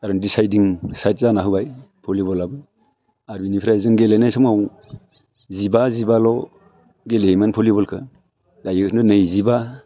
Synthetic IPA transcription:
aɾɔndisajdiŋsajt̚zanaɦɯwbajpʰolibɔlabɯ | aɾbinipʰɾajzɯŋɡelejnajsɯmŋaw | zibazibalɔ | ɡelemanpʰɔlibɔlkʰɯ | dajɯkʰɯndɯnɯjziba

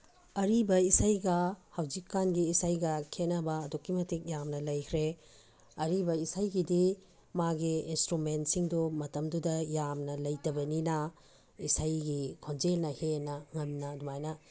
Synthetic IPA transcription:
ɐɾibɐisajɡɐhɐwd͡ʒikːanɡiːsajɡɐkʰenɐbɐːdukːimɐtik̚jamnɐlɐjkʰɾe | ɐɾibɐisajɡidi | maɡiinstɾument̚siŋdumɐtɐmdudɐjamnɐlɐjtɐbɐninɐ | isajɡikʰond͡ʒelnɐhenɐŋɐmnɐdumajnɐ

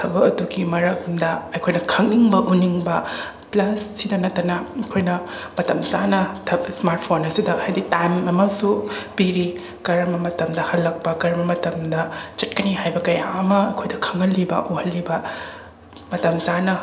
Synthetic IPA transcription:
tʰɐbɐɐduɡimɐɾɐkmdɐɐjkʰojnɐkʰɐŋniŋbɐʔuniŋbɐ | plɐsːidɐnɐtːɐnɐɐjkʰojnɐ | mɐtɐmzanɐtʰɐsmaɾt̚pʰonɐsidɐhajditajmɐmɐsupiɾi | kɐɾɐmɐmɐtɐmdɐhɐlːɐk̚pɐkɐɾɐmɐmɐtɐmdɐt͡ʃɐt̚kɐnihajbɐkɐjaɐmɐɐjkʰojdɐkʰɐŋɐlːibɐ̰ʔohɐlːibɐ | mɐtɐmzanɐ

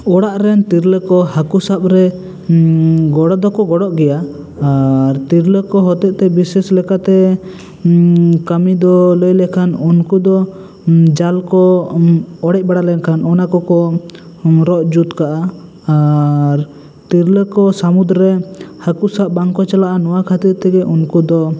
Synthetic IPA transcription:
ɔɽaʔɾɛnt̪iɾləkɔɦakusap̚ɾɛ | ɡɔɽɔd̪ɔkɔɡɔɽɔʔɡɛjaː | ɾt̪iɾləkɔɦɔt̪ɛʔt̪ɛbisɛslɛkat̪ɛ | kamid̪ɔləjlɛkʰanunkud̪ɔ | d͡ʒalkɔ | ɔɽɛc̚ˀbaɽalɛnkʰanɔnakɔkɔ | ɾɔʔd͡ʒut̪kaʔaː | ɾ | t̪iɾləkɔsamud̪ɾɛhakuʔsap̚baŋkɔt͡ʃalaʔanɔwakʰat̪iɾt̪ɛɡɛʔunkud̪ɔ

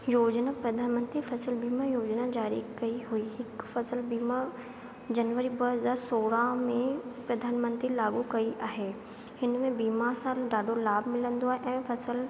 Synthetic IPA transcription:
joːd͡ʒnapɾɐd̪ʱaːnmə̃nt̪ɾifʰɐsəlbiːmajoːd͡ʒnad͡ʒaːɾḭkɐiɦuiːɦɪkfʰɐsəlbiːma | d͡ʑɐnʋəɾibəɦəzaːɾsoːɽamẽpɾɐd̪ʱaːnmə̃nt̪ɾilaːɡukɐiʔaːɦeː | ɦɪnmẽbiːmasãːlɖaːɖʱolaːbʱmɪlə̃nd̪oaːɦeʔɛ̃ːpʰɐsəl

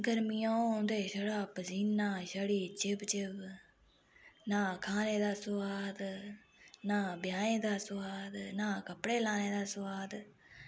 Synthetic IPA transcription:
ɡəɾmiːãːõːnd̪eːʃəɽaːpziːnaːʃəɽiːt͡ʃɪbt͡ʃɪb | naːkʰaːneːd̪aːsʊwaːd̪ | naːbjaːnẽːd̪aːswaːd̪naːkəpɽeːlaːneːd̪aːsʊwaːd̪

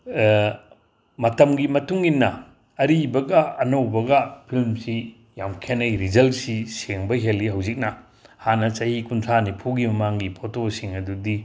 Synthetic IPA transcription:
mɐtɐmɡimɐtuŋinːɐː | ɾibɐɡɐɐnɐwbɐɡɐpʰilmsi | jamkʰenɐjɾizɐlsiseŋbɐɦelːiɦɐwzik̚nɐ | hanɐt͡ʃɐhikuntʰanipʰuɡimɐmaŋɡipʰotosiŋɐdudi

